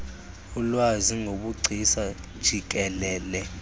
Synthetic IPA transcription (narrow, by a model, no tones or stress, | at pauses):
ulwaziŋɡʱoɓuɡ͡ǀʱisa | d̥ʒ̥ʱik̬ɛlɛːlɛ